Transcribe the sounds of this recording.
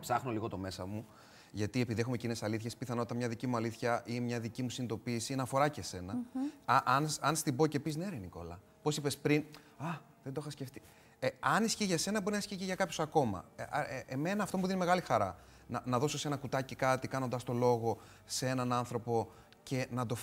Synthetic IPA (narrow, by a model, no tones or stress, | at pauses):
psɐxno̞liɣo̞t̪o̞me̞sɐmu | ʝɐt̪ie̞piðiexume̞cine̞sɐliθçe̞spiθɐno̞t̪t̪ɐmɲɐðicimuɐliθçɐʔimɲɐðicimusinid̪o̞piːsinɐfo̞ɾɐce̞se̞nɐɐʔɐnsɐnst̪ibo̞ce̞pizneɾeniko̞̰lɐ | po̞sipe̞spɾin | ɐ | ðend̪o̞xɐsce̞ft̪i̥ | eɐnisçiʝɐse̞nɐbo̞ɾinɐisciʝiʝɐkɐpço̞sɐko̞mɐ̰eme̞nɐːft̪o̞muðinime̞ɣɐlixɐɾɐ | nɐnɐðo̞sose̞nɐkut̪ɐcikɐt̪ikɐnond̪ɐst̪o̞lo̞ɣo̞ | see̞nɐnɐnθɾo̞po̞ | ce̞nɐd̪o̞f